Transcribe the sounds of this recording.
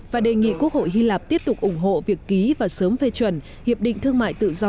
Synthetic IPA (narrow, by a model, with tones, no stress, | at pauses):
vaː˨˩ɗe˨˩ŋḭ˧˨ku˦˥ək̚ho̰˧˨jɦi˧laː˨˩p̚t̪i˦˥əp̚t̪ʊ˨˩k͡pk̚ʔʊ˧˩ŋ͡mɦo̰˧˨vi˨˩əkːi˨˦vaː˨˩səː˨˦mfe˧t͡ɕwə˨˧˩n | hi˨˩əp̚ɗḭ̈˧˨ŋ̟t̪ʰɨ˧əŋma̰ː˧˨jt̪ɨ̰˧˨zɔ˧